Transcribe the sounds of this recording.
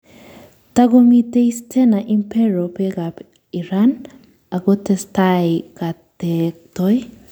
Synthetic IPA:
taɡomiteistʰɛnaʔimpɛɾopɛɡap | iɾan | aɡotɛstajkatek̚tɔj

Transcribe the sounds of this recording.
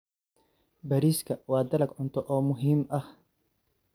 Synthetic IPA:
bɐɾiskʰɐwaːd̪ɐlɐɡʕʊnt̪ʰɔʔɔːmʊɦiːmʔɐh

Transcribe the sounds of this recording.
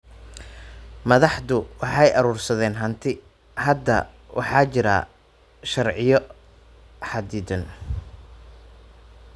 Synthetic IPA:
mɐðɑħd̪ʊwɑħɑjʔɐɾuːrsɐðɛːnɦɐnt̪ʰɪ | hɐd̪ːɐ̰ | wʔɑ̰ħɑːt͡ʃɪɾa̰ː | ʃɐrʕɪjɔ | ħɑd̪iːd̪ɐn

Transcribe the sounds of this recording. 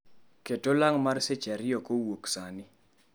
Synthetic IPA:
ketolaŋmarset͡ʃaɾɪjɔkowoksanɪ

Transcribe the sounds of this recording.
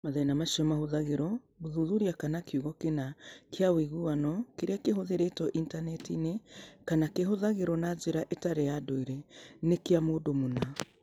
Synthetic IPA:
maðɛnamaʃiɔmahoðaɣeɾɔ | ɣoðuðuɾiakanakeuɣɔkenakʰeawiɣuwanɔkeɾeakeɦoðeɾetɔʔintanɛtinekanakeɦoðaɣeɾɔnazeɾaʔetaɾejadoiɾɛnekeamoːdomona

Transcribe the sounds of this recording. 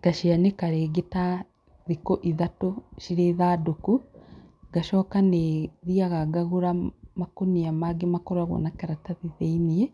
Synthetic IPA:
ɡ̥aʃianekaɾeːɡeta | ðikoʔiðatoʃiɾeːðaːdoku | ɡ̥aʃɔkaneðiaɣaɡaɣuɾamakoniamaɡemakɔɾwaɣɔ̰nakɛɾataðiðeiniɛ

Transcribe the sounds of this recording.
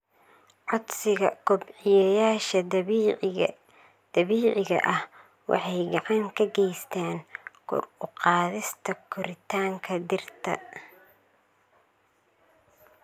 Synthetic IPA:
ʕɔd̪sɪɣɐkʰʊbʕɪjɛjaːʃɐ | d̪̥ɐβiːʕɪɣɐ̰ʔɐh | wɑ̰ħɑjɡɑʕɑŋkʰɐɡɛjst̪ʰɛːnkʰʊ̰rʊqɑːðɪst̪ʰɐkʰʊɾɪt̪ʰaːŋkʰɐd̪ɪrt̪ʰɐ̰

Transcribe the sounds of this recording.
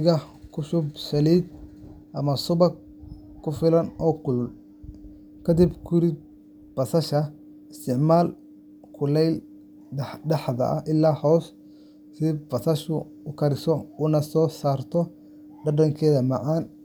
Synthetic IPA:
ɣɐkʰʊsʊbsɐliːd̪ʔɐmɐsʊbɐ | kʰʊfɪlɐnɔːkʊll | kʰɐd̪ibkʰʊɾɪd̪̚ | b̥ɐsɐʃɐ | ɪst̪ʰɪʕmaːl | kʰʊlɛjl | ɖɑħðɐ̰ʔɐʔɪlːaːhɔːs | sɪbɐsɐʃʊ | ʊkʰɐɾɪsɔʊnɐsɔːsaːrt̪ʰɔ | ɖɐɖɐŋkʰɛːðɐmɑʕaːn

